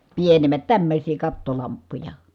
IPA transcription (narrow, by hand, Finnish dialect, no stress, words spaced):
pienemˑæt tæmːøsʲiː kɑtːolɑmpːujɑ